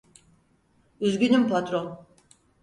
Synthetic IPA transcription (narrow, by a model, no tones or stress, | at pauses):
yzɡʲynympʰat̪ɾon